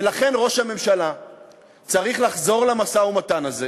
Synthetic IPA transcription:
elaχe̞nʁo̞ʃhame̞mʃala | t͡saʁiχlaχzo̞ʁlamasaumatanaze

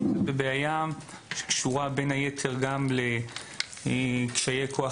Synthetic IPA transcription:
bebeajam | ʃe̥kʃuʁabe̞najet̪ʰeʁɡamle | kʃajekʰoa

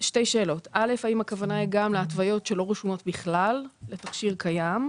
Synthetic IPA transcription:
ʃte̞jʃe̞ːlo̞tʰʔalefaimakavanajiɡamleatvajo̞tʃe̞lo̞ʁeʃumo̞tbiχlalːetaχʃiʁkajam

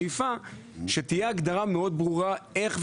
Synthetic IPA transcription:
ifa | ʃet̪ijeaɡd̪aʁameo̞d̪bʁuʁae̞χv

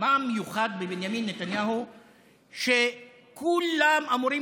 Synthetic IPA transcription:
amːejuχad̪̚bebenjaminːet̪anjaɦu | ʃe | kulamamuɾi

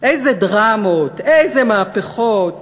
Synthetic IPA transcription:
ʔejzedʁamot̪ejzemaapeχot̪

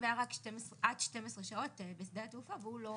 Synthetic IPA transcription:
veaʁakʃtemesʁeʔadʃtemesʁeʃao̞t̪besd̪at̪eufaveulo̞

